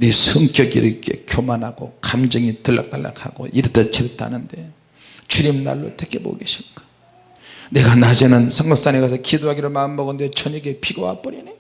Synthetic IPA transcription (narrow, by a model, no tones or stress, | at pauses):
nisʰɯŋkjʌɡḭɾʌkʰe̞̰kʲjomanɦaɡokamd͡ʑɯŋitɯɭːa̰k̚t͈alːa̰kʰa̰ɡ̥o̰ʔiɾɯt̪ʰet͡ɕʰebet͈ʰa̰nɯnde̞ | t͡ɕuɾimna̰ɭːo̰t͈ʰek͈ʰebo̰ɡeɕʰinkḁ | neɡanad͡ʑʌnɯnsʰʌŋɡʌs͈aneɡas̬ʰʌkʰidoɦaɡiɾɯɭmaɯmbʌɡɯndet͡ɕʰʌɲʌɡepʰiɡowa̰p͈ʌɾine